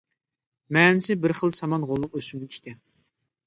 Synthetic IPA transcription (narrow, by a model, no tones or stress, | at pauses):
mɛːnɪsɪbɪɾχəlˠsɑmɑnʁolˠːʊqøsymd̪ɪkʲʰe̥kʲɛn